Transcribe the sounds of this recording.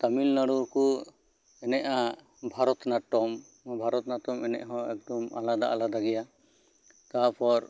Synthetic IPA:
t̪amilnaɽuɾku | ɛnɛʔa | bʱaɾɔt̪naʈɔm | bʱaɾɔt̪naʈɔmɛnɛ̰ʔɦɔ̃ɛk̚d̪ɔma̰lad̪a̰ʔalad̪aɡɛja | t̪apɔɾ

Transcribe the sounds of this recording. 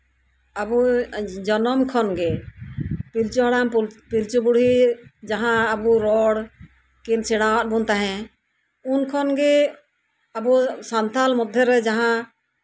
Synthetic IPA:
abud͡ʒɔnɔmkʰɔnɡɛ | pilt͡ʃɔɦaɽampilt͡ʃubuɽid͡ʒaɦãːbuɾɔɽ | kinsɛɽãwat̪̚bunt̪aɦɛ̃ | unkʰɔnɡɛ | abusant̪almɔd̪ʱjɛɾɛd͡ʒaɦã

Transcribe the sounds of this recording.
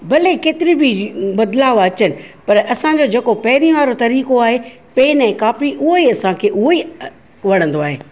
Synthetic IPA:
bɐlekeːt̪ɪɾibʱibɐd̪laːʋɐt͡ɕənɪ̆pɐɾɐsãd͡ʑoːd͡ʑeːkopɐɦɪɾijõʋaːɾot̪ɐɾiːkoaːɦe | peːnɛ̃ːkaːpɾiʔʊɦoiɐsãkʰeːʔʊɦoi | ʋɐɽ̃ə̃nd̪oaːɦḛː

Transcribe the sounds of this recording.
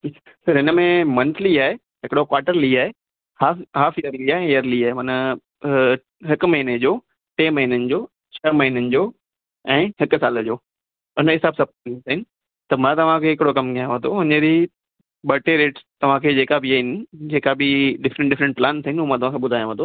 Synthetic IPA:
i | sɐɾɦɪnəmẽmɐ̃nt̪ʰliaːɦe | ɦɪkɪɽokwaːɾʈəɾliaːɦe | haːɦaːfɪjəɾliaːɦẽjəɾliaːɦemɐnə | ɦɪkmɐɦined͡ʑoː | ʈeːmɐɦinənɪ̆d͡ʑoː | t͡ɕʰɐmɐɦinənɪ̆d͡ʑoː | ɛ̃ːɦɪksaːləd͡ʑoː | ʊnəɦɪsaːbsɐp̚ːnsaɦɪnɪ̆ | t̪ɐmãt̪ɐʋ̤ãkʰeːɦɪkɪɽokɐmɡʰʱijaj̃ʋə̃nd̪oɦʊɲəd͡ʑi | ɓɐʈeɾeːʈt̪ɐʋ̤ãkʰeːd͡ʑeːkabʱɪaːɦɪnɪ̆d͡ʑeːkabɪɖɪfɾə̃ɳʈɖɪfɾə̃ɳʈ̚plãːnsəɦɪnɪũːmãt̪ɐʋ̤ãkʰeɓʊd̪ʱaːjãʋə̃nd̪o

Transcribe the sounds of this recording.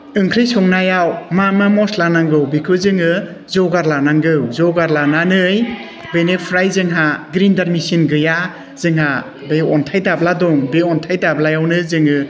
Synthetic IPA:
ɯŋkʰɾɯjsɔŋnajawmamamɔslanaŋɡɯwbikʰɯzɯŋɯ | zɔɡaɾlanaŋɡɯwzɔɡaɾlananɯj | benepʰɾajzɯŋɦaɡɾindaɾmisinɡɯja | z̥ɯŋɦa | beɔntʰajdabladɔŋbeɔntʰajdablajawnɯzɯŋɯ

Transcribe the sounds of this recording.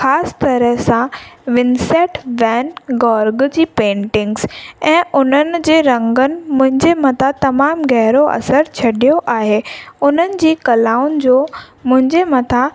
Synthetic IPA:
xaːst̪ɐɾəɦsãʋɪnsɛːʈʋɛ̃ːnɡɔːɾɡd͡ʑiːpẽːɳʈɪ̃ŋɡz̥ɛ̃ːʔʊn̤ənɪ̆d͡ʑeːɾɐ̃ŋɡənɪ̆mʊ̃ɦɪ̃ɲd͡ʑemɐt̪ʰat̪ɐmaːmɣɛɦɾoʔɐ̰səɾt͡ɕʰɐɗijoʔaːɦeːʊn̤ənɪ̆d͡ʑiːkɐlaːʊnd͡ʑoː | mʊ̃ɦɪ̃ɲd͡ʑemɐt̪ʰa

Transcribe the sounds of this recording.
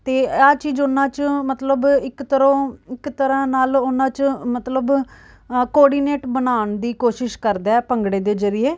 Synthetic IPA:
t̪eːaːt͡ʃiːzʊnãːt͡ʃmət̪ləbɪkt̪əɾõːɪkt̪əɾãːnaːlʊnːãːt͡ʃmət̪ləb | kɔːɾɖiːneːʈbənaːɳd̪iːkoːʃɪʃkəɾd̪aːɛːpəŋɡɽeːd̪eːd͡ʒəɾɪeː

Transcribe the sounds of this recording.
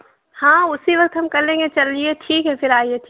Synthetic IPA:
hãːʊsiʋɐk̚t̪ɦɐmkɐɾlẽːŋɡet͡ʃɐlːieʈʰiːkɦɛfɪɾaːieʈʰː

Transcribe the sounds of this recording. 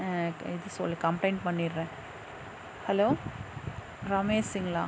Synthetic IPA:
ɪðɯsɔlːikɐmpleːnpɐɳːiɾɾɛ̃ː | hɐloː | ɾɐmeːsɪŋɡɐɭa̰ː

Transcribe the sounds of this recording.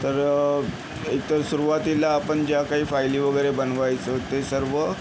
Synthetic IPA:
t̪əɾ | ikt̪əɾsuɾuʋat̪ilaːpəɳd͡ʑjakaɦiːfajliːʋəɡəjɾebənʋajt͡sət̪esəɾʋə

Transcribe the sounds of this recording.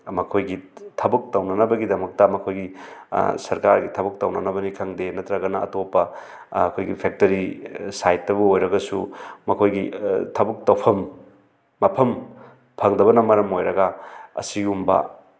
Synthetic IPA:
mɐkʰojɡitʰɐbɐk̚tɐwnɐnɐbɐɡidɐmɐk̚tɐmɐkʰojɡi | sɐɾkaɾɡitʰɐbɐk̚tɐwnɐnɐbɐnikʰɐŋdenɐt̪ɾɐɡɐnɐ̰ːtopːɐ | ɐkʰojɡipʰek̚tɐɾisajtːɐbuojɾɐɡɐsumɐkʰojɡitʰɐbɐk̚tɐwpʰɐmː | ɐpʰɐm | pʰɐŋdɐbɐnɐmɐɾɐmojɾɐɡɐɐ̰siumbɐ̰

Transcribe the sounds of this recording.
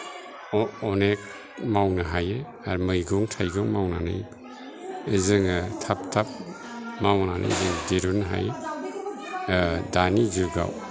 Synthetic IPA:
ɔnek̚ | mawnɐɦaje | aɾmɯjɡuŋtʰajɡɔŋmawnanɯ̰j | ɯzɯŋtʰap̚tʰap̚ | mawnana̰jzɯŋdeɾunɦa̰j | daniziɾɡa̰w

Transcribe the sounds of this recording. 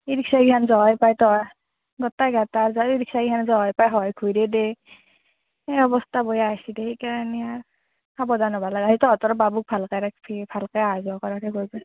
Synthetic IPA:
iɾiksaɡiɦʰanzɔɦjpajtɔa | ɡɔtajɡataɹzaiɾiksaɡianzɔɦɔjpajɦɔjkʰujdɛdɛ | eɔbɔstʰabɔjaajsidɛekaɹania | abɔdanɔbalaɡazitɔatɔɾɔbabuk̚pʰalkajɾakpʰipʰalkajazuakɔɾakʰɛɡojbɔ

